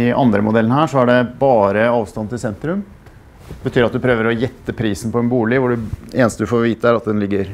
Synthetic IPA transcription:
ɪʔɑ̰nd̪ɾəmʊd̪ɛlːnəhæːʂɔæɖɛbɑːɾəɑːʋst̪ɑnt̪ʰɪlsɛnt̪ɾʉm | bət̪ʰyːɾɑt̪̚d̪ʉpʰɾøːʋəɾɔjɛt̪ːəpʰɾiːsn̩pɔɛnbuːlɪʋʊɖʉeːnəst̪əd̪ʉfoːɾʋiːt̪əæɾɑt̪̚d̪ɛnlɪɡːəɾ

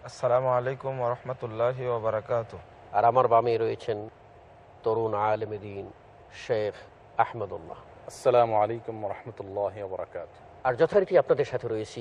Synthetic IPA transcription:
ɐsːɐlaːmʊʕaleːkʊmwɐɾˤɑħmɐt̪ʊlːaːɦiwɐbɐɾɐkaːt̪ʊh | aɾamaɾbameɾɔjet͡ɕʰen | t̪oɾunʕaːlemed̪iːn | ʃef | aħmɐd̪ṵlːɑ̰ | ɐsːɐlaːmʊʕaleːkʊmwɐɾˤɑħmɐt̪ʊlːɑːɦɪwɐbɐɾˤɑ̰kaːt̪ʊ̥ | aɾd͡ʑɔt̪ʰaɾkiapnad̪eɾʃat̪ʰeɾojet͡ɕʰi

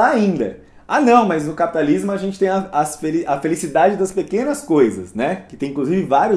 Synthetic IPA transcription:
aaĩnd̪ɐ̰ | anɐ̃w̃mɐznʊkapi̥t̪alizmʊaʒẽnt͡ʃɪt̪ẽj̃ɐɐsfeliɐfelisid̪ad͡ʒɪd̪ɐspekẽnɐskojzɐ̰snɛkɪt̪ẽj̃kluzivɪvaɾjʊ

